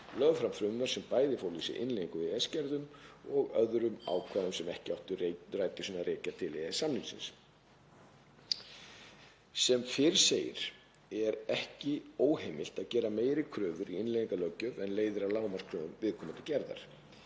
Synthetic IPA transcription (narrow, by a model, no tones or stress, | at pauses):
lœɣfɾamfɾʏːʏvɛɾ̥sɛmpaːjðɪfoːwlisɪ̰ʔɪ̰nleːðiŋkʏvɪðɛscɛɾðʏmɔɣœðɾʏma̰ːwkʰvaːðʏmsɛmɛhcɪawht̪ʏrraːjt̪ɪsʏnːaɾeːcat̪ʰɪlːeɣḁsamliŋsɪ̰ns | sɛmfɪɾseːjɪ̰ɾ̥ | ɛɾɛhcɪoːwheːjmɪl̥t̪aðcɛːɾameːjɾɪkʰɾʏːvʏɾiɪnleðĩŋkalœcːʏvɛnleːjðɪɾawlaːwmanskʰɾœːvʏmvɪðkʰɔːmʏnt̪ːɪcɛɾða̰ɾ̥